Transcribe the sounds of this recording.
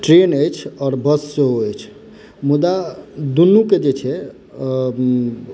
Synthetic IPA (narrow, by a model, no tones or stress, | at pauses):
ʈɾenəjt͡ʃʰɔːɾbəsːeɦoəjt͡ʃʰ | mud̪ad̪unːuked͡ʒet͡ʃʰɛ